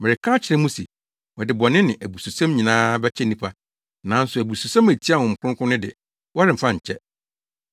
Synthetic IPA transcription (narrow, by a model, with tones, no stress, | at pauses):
mɪ˨ɾɪ˨kʰã˦t͡ɕʰɪ˨ɛ̃˦mũ˦si˨ | wɔ˨dɪ˨bɔ˨nɪ̃˦nɪ̃˨ʔæ˨bu˨su˨sã˦mɲĩ˨nãː˦bɛ˦t͡ɕʰɛ˦nĩ˦pʰa˦ | nã˨˦n̩˦sʊ˨æ˨bu˨su˨sã˦mæ˨tʰi˦a˦˨wʊ̃˨ŋ̩˨kʰʊ˦ʊ̃˦kʰʊ̃˦nɪ̃˦dɪ̰˨ | wɔ˦ɾɪ˨m̩˨fã˦ɲ̩˨t͡ɕʰɛ˦